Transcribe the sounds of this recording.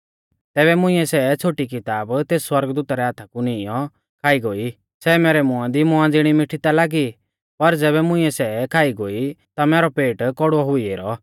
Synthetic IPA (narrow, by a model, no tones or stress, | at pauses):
t̪ɛːbɛmʊ̃ɪ̃ɛsɛt͡ʃʰoːʈik̬ɪt̪aːbt̪eːsːwɐɾɡd̪uːt̪aɾɛaːt̪ʰakunɪɪjɔ | kʰaːiɡoːi | sɛːmɛːɾɛmʊãd̪imʊãd͡zɪɽ̃imɪʈʰit̪alaːɡi | pɐɾd͡zɛːβɛmʊ̃ĩɛsɛkʰaːiɡoːit̪amɛːɾɔpeːʈkɔɽɔɦʊieːɾɔ